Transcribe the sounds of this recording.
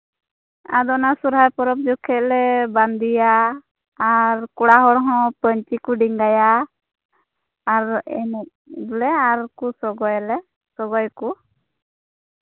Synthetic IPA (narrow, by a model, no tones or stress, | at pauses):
a̰d̪ɔnasuɾɦaɾpɔɾɔp̚d͡ʒɔkʰɛt̪̚lɛband̪ijaː | ɾkuɽaɦɔɽɦɔ̃pəɲt͡ʃikuɖiŋɡaja | ɾɛ̰nɛt̪̚bulɛaɾkusɔɡɔjlɛ | sɔɡɔjku